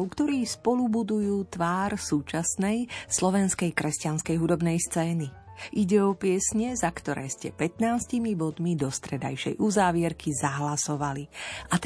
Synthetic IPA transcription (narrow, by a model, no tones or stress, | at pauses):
ʊkt̪ɔɾiːspɔlubud̪ujuːt̪ʋaːɾsuːt͡ʃasnɛjslɔʋɛnskɛjkɾɛscanskɛjɦud̪ɔbnɛjst͡sɛːni | ʔiɟɛɔpɪɛsɲɛzakt̪ɔɾɛ̰ːscɛpɛt̪naːscimibɔd̪mid̪ɔst̪ɾɛd̪a̰jʃɛ̰jʔuzaːʋɪɛɾkʰizaɦlasɔʋaliʔat̪